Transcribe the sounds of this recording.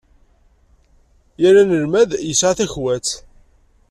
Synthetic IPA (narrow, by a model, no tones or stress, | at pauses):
jæɾænəɾmæðjəsʕaθæçwæt͡s